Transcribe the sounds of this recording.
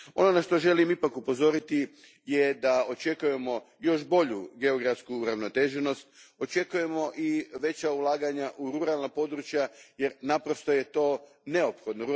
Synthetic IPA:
o̞nonaʃt̪o̞ʒe̞limipakupo̞zo̞ɾit̪i | jed̪aot͡ʃe̞kuje̞mo̞ | jo̞ʃbo̞ʎuɡe̞o̞ɡɾaft̪skuːɾaʋno̞t̪e̞ʒeno̞st̪̚o̞t͡ʃe̞kuje̞mo̞ʔiʋe̞t͡ɕaulˠaːɡaɲaʔuɾuɾalˠnapo̞d̪ɾut͡ʃjaje̞ɾnapɾo̞st̪o̞je̞t̪o̞ː | ne̞o̞pxo̞d̪noɾu

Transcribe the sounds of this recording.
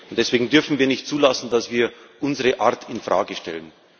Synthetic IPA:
ʊntd̥ɛsv̥eːɡŋ̩dʏɐfn̩viːɐnɪçtt͡suːlasn̩dasv̥iːɐ | ʔʊnzəʁəʔaɐtʰɪnfʁ̥a̰ːɡəʃtɛ̰lən

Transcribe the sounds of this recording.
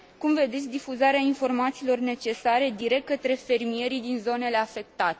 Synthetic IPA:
kumve̞d̪e̞t̪sʲd̪ifuzaɾeainfo̞rmat̪siːlo̞rne̞t͡ʃe̞saɾe̞d̪iɾe̞k̚t̪̚kət̪ɾe̞fe̞rmije̞ɾid̪inzo̞ne̞le̞afe̞k̚t̪at̪e̥

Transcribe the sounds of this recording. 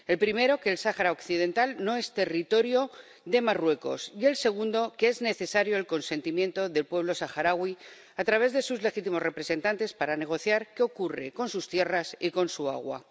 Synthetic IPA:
e̞lpɾime̞ɾo̞ke̞ːlsaxaɾaokθið̞e̞nt̪alno̞e̞st̪e̞rit̪o̞ɾjo̞ | ðe̞marwe̞ko̞̰sie̞lse̞ɣ̞und̪o̞keezne̞θe̞saɾjo̞elko̞nse̞nt̪imjẽ̞nt̪o̞ðe̞lpwe̞βlo̞saxaɾaɣwi | at̪ɾaβ̞e̞zðe̞suzle̞xit̪imo̞zre̞pɾe̞se̞nt̪ant̪e̞spaɾane̞ɣ̞o̞θjaɾkeo̞kure̞̰ko̞nsust̪je̞rasiko̞nsua̰ɣ̞wa̰

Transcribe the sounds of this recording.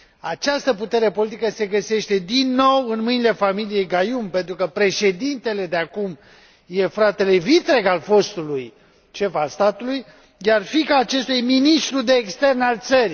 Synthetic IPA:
at͡ʃast̪əput̪e̞ɾe̞po̞lit̪̬ikəse̞ɡəse̞ʃt̪e̞d̪inːo̞wɨnmɨnile̞familije̞jɡajumpe̞nt̪ɾukəpɾe̞ʃe̞d̪int̪e̞le̞d̪eakum | je̞fɾat̪e̞le̞vit̪ɾe̞kalfo̞st̪uluj | ʃe̞falst̪at̪uluj | jarfikaːt͡ʃe̞st̪ujeminist̪ɾud̪e̞ːkst̪e̞rnalt̪səɾi

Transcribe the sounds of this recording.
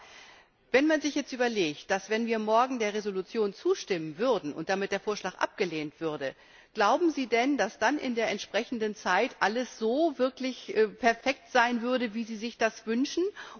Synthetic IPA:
vɛnmanzɪçjɛt͡stʔyːbɐleːçt̚d̥asv̥ɛnviːɐmɔɐɡŋ̩deːɐʁezolut͡sjoːnt͡suːʃtɪmənvʏɐdn̩ʊ̰ntd̥amɪt̚d̥eːɐfoːɐʃlaːkʔa̰p̚ɡ̥əleːntv̥ʏɐdə | ɡ̥laʊbm̩ziːdɛndasd̥anʔɪ̰ndeːɐʔɛntʃpʁ̥ɛçn̩dənt͡saɪtʔaləsz̥oːvɪɐklɪçʔɛpʰɛɐfɛk̚tz̥aɪnvʏɐɾəviːziːzɪçd̥asv̥ʏnʃn̩

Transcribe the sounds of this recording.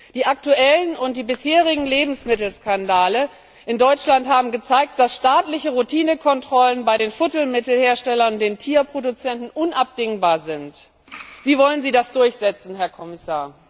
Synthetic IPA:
d̥iːʔak̚tuʔɛlənʊnt̚d̥iːbɪsheːʁɪɡŋ̩leːbm̩smɪtl̩skandaːlə | ʔɪndɔʏt͡ʃlantɦaːbm̩ɡət͡saɪk̚t̚d̥asʃtaːtlɪçəʁutʰiːnəkʰɔntʁ̥ɔlənbaɪɾeːnfʊtl̩mɪtl̩heːɐʃtɛlɐnʊnd̥eːntʰiːɐpʁ̥odut͡sɛntn̩ʔʊnʔap̚d̥ɪŋbaːɐzɪnt | v̥iːvɔlənziːdasd̥ʊɐçz̥ɛt͡sn̩ɦɛɐkʰɔmɪsaːɐ

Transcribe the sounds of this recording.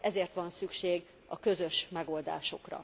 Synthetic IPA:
ɛzeːrt̪ʋɒnsykʃeːɡ | ɒkø̞zø̞ʃmɛɡo̞ld̪a̰ːʃo̞̰krɒ̰

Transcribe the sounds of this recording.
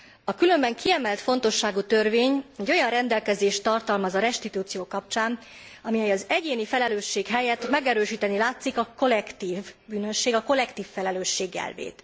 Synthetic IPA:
ɒkylø̞mbɛŋkʰiɛmɛlt̪fo̞nt̪o̞ʃːaːɡuːt̪ø̞rveːɲɛɟːo̞jɒnrɛnd̪ɛlkɛzeːʃt̪ɒrt̪ɒlmɒzɒɾɛʃt̪it̪uːt̪sijoːkɒp̚t͡ʃaːn | ɒmiɛjɒzɛɟeːnifɛlɛløːʃːeːkɦɛjɛt̪mɛɡɛɾøːʃiːt̪ɛnilaːt̪sikɒko̞lɛkt̪iːvbyːnø̞ʃːeːɡɒko̞lɛkt̪iːfːɛlɛløːʃːeːɡːɛ̰lvḛːt̪

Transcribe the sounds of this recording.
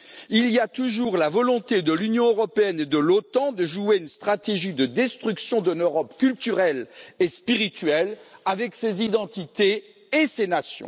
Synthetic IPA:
iliat̪uʒuʁlavɔlɔ̃t̪ed̪əlynjɔ̃øʁɔpeɛned̪əlot̪ɑ̃d̪əʒueynst̪χat̪eʒid̪əd̪ɛst̪χyksjɔ̃d̪ɛnøʁɔpkʲylt̪yʁɛlespiʁit̪ɥɛlavɛksezid̪ɑ̃t̪it̪eː | senasjɔ̰̃

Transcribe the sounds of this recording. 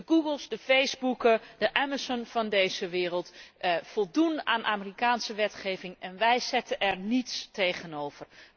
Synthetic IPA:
əɡuɡəlˠzdəfejzbukəd̥əʔɛmazɔnvɑndejzəʋɪːrəlˠtfɔlˠdunaːnʔaːmərikaːnsəʋɛtχejvɪŋɛnʋɛjz̥ɛtəʔɛrnitstejχənowv̥ər

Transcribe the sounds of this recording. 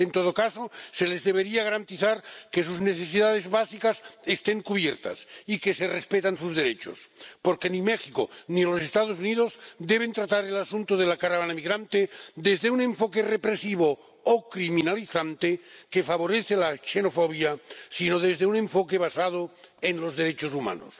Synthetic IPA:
ent̪oð̞okasose̞lezðeβeɾiaɣaɾant̪iθaɾkes̬uzneθesiðað̞e̞zβasikasest̪eŋkuβjeɾt̪a̰sikeserespet̪ansuzðeɾet͡ʃo̰spoɾkenimexiko̰nilosest̪að̞os̬unið̞ozd̪eβ̞ent̪ɾat̪aɾelasunt̪oðelakaɾaβanamiɣɾant̪ed̪ezðeuneɱfokerepɾesiβo | okɾiminaliθant̪ekefaβ̞oɾeθelaʃenofoβjasinoð̞ezðeunẽ̞ɱfokeβ̞asað̞oenlozðeɾet͡ʃosuma̰no̰s

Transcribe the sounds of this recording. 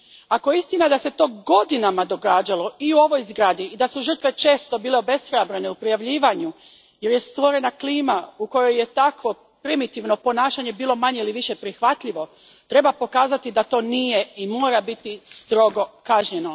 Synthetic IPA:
akojeist̪inad̪ase̞t̪o̞ːɡo̞d̪inamad̪o̞ɡaːd͡ʑalˠo̞iuo̞ʋo̞jzɡɾaːd̪iːd̪asuʒər̩t̪ʋe̞t͡ʃe̞ːst̪o̞biːle̞obe̞st̪ɾojabɾene̞upɾijaʋʎiːʋaɲu | je̞ɾje̞st̪ʋo̞ɾe̞nakliːmauko̞jo̞jːe̞t̪akʋo̞ | pɾimit̪iʋno̞po̞naːʃaɲe̞biːlo̞maɲe̞iliʋiʃe̞pɾixʋat̪ʎiʋo̞ | t̪ɾe̞bapo̞kaːzat̪id̪at̪o̞ːnijeimo̞ːɾabit̪ist̪ɾo̞ɡo̞kaʒɲe̞no

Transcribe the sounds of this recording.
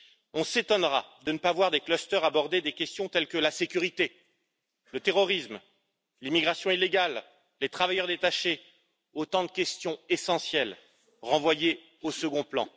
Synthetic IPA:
ɔ̃set̪ɔnʁa̰d̪ənəpavwaʁd̪eklɔst̪œʁabɔʁd̪ed̪ekʲɛst̪jɔ̃t̪ɛlkəlasekʲyʁit̪e | lət̪eʁɔʁism | limiɡʁasjɔ̃ilːeɡalː | et̪χavajœʁd̪et̪aʃe | ot̪ɑ̃d̪əkʲɛst̪jɔ̃esɑ̃sjɛl | ʁɑ̃vwaje | osəɡɔ̃plɑ̃

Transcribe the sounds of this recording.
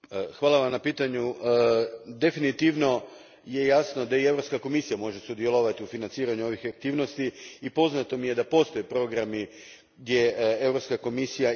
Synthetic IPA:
xʋaːlˠaʋamnapiːt̪aɲu | d̪e̞finit̪iʋno̞ | je̞jasno̞d̪aievɾo̞pskako̞misijamo̞ʒe̞sud̪je̞lˠoʋat̪iufinant̪siːɾaɲuo̞ʋixak̚t̪iːʋno̞st̪iipo̞znat̪o̞mije̞d̪apo̞st̪o̞jepɾo̞ɡɾami | ɡd̪je̞evɾo̞pskako̞misija

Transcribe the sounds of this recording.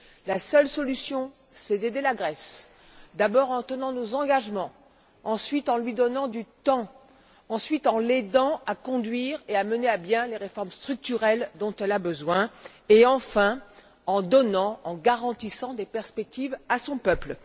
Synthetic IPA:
lasœlsɔlysjɔ̃ | sɛd̪ed̪elaɡʁɛs | d̪abɔʁɑ̃t̪ənɑ̃nozɑ̃ɡaʒmɑ̃ | ɑ̃sɥit̪ɑ̃lɥid̪ɔnɑ̃d̪yt̪ɑ̃ | ɑ̃sɥit̪ɑ̃led̪ɑ̃akɔ̃d̪ɥiʁeaməneabjɛ̃leʁefɔʁmst̪χyk̚t̪yʁɛld̪ɔ̃t̪ɛlabəzwɛ̃ | eɑ̃fɛ̃ | ɑ̃d̪ɔnɑ̃ɑ̃ɡaʁɑ̃t̪isɑ̃d̪epɛʁspɛk̚t̪ivasɔ̃pœpl

